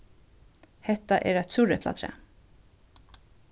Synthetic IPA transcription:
hɛht̪ːaʔɛɾɛt̪suɾɛpla̰t̪ʰɾɛ̰ː

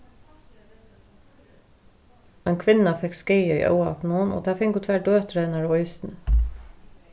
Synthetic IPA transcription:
aɪnkʰʋɪnːafɛkskeːəḭʔœ̰ːwa̰pnʊnɔ̰t̪ʰaːfɪŋkʊt̪ʰʋæːɹd̪øːt̪ɾɛnaɹɔjsn

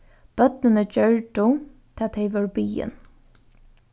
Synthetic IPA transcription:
b̥œt̪̚nɪnəd͡ʒœɹɖʊt̪ʰaːt̪ʰɛɪʋɔɾbiːɪ̰n

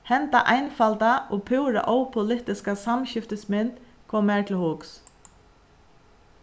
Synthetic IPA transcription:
hɛnt̪aʔajnfalt̪aɔpʰʊwɾa̰ʔowpʰʊlɪht̪ɪskasamɕɪft̪əsmɪnt̪ | kʰvɔmːɛɹt̪ʰɪlhʊks

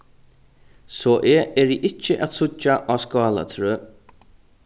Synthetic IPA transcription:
sɔːʔeɛɹiʔɪt͡ʃːəʔat̪sʊt͡ʃːaʔaːskɑːla̰t̪ʰɾøː

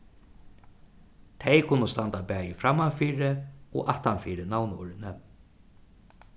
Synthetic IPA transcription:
t̪ʰejkʰʊnʊst̪ant̪apæːjɪfɾamːavfiːɾɪɔ̰ɣʔaht̪anfiːɾɪnawnɔ̰ɾɪnɪ

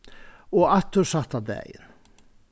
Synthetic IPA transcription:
ɔɣaht̪ːʏɾsaht̪ad̪ɛ̰ːjɪ̰n

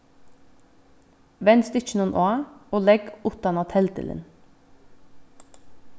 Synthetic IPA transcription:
ʋɛnst̪ʏt͡ʃnʊnʔoɑoːlɛɡʊt̪ɑnɑt̪ʰɛlt̪ʰɪ̰lə̰n

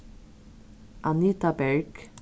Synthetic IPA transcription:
ʔanit̪abɛɹɡ

